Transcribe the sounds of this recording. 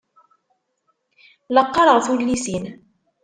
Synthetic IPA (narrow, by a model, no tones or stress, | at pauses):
lɑqːɑɾˤɑʁθulːisin